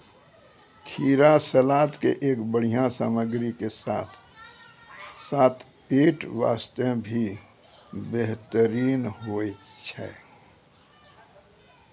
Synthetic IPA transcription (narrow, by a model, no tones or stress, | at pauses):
kʰiːɾasəlaːt̪kḛʔeːkbəɽ̤ijãsa̰məɡɾikesa̰ːt̪ʰ | saːt̪ʰ | peːʈʋa̰ːst̪ebʱi | beɦt̪əɾiːnɦoet͡ʃʰɛ̰ː